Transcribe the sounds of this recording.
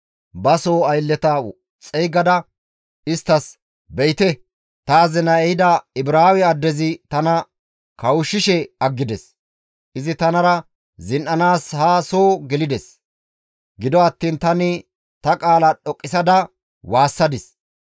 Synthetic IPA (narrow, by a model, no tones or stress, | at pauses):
bɐsoːɐjlːɛt̪ɐ | t͡sʼɛjɡɐd̪ɐ | ɪst̪ːɐs | bɛjɪt̪ɛ | t̪ɐːzɪnɐɛjɪd̪ɐɪbɾaːwɛɐd̪ːɛzɪt̪ɐnɐ | kɐwʊʃːɪʃɛɐɡːɪd̪ɛs | ʔɪzɪt̪ɐnɐɾɐ | zɪnʔɐnaːshaːsoːɡɛlɪd̪ɛs | ɡɪd̪ɔɐt̪ːiːnt̪ɐnɪ | t̪ɐkʼaːlɐɗɔkʼːɪsɐd̪ɐ | waːsːɐd̪ɪs